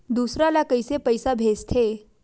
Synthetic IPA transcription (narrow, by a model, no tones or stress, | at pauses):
d̪usɾalakəjsepəjsabʱest̪ʰe